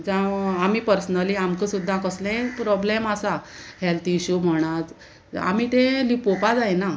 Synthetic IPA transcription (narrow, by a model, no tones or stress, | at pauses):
d͡zãamiːpəɾsnəliːamkəsud̪ʱːãkəslẽpɾɔblemasahɛlt̪iɕum̤əɽ̃at͡s | a̰miːt̪elipopad͡zajna